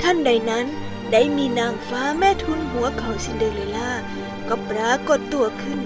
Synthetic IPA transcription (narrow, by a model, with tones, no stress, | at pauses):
t̪ʰa˥˨nda˧˩jna˦˥n | da˧˥˩jmiː˧naː˧˩mfaː˧˦˥mɛː˧˥˩t̪ʰu˧˥nɦu˨˩˦ɐkʰa˨˩wsi˧˥ndɤː˧ŋle˧˩jlaː˧˥˩ | kɔ˧˩pɾaː˧˥ko˨˧˩t̪ːu˧ɐkʰɯ˧˥˩n